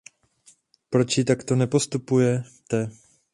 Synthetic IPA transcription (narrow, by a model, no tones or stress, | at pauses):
pɾot͡ʃjɪt̪akt̪o̞nɛpo̞st̪upujɛt̪ɛ